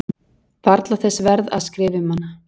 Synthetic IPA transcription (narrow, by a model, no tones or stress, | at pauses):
faɾt̪laθɛsːvɛɾða̰ðskɾɪːvɪmanːa